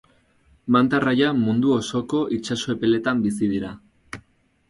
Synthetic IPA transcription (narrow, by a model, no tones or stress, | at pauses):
mant̪arajamund̪uo̞so̞ko̞ʔit͡ʃaso̞e̞pe̞le̞t̪ambisið̞iɾa